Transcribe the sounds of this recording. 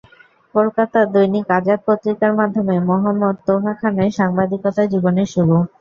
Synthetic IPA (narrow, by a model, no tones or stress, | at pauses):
kolkat̪ad̪ojnikad͡ʑad̪̚pot̪ɾikaɾmad̪ʱːomemɔɦamːod̪̚t̪oɦakʰanaʃaŋbad̪ikɔt̪ad͡ʑiboneɾʃuɾu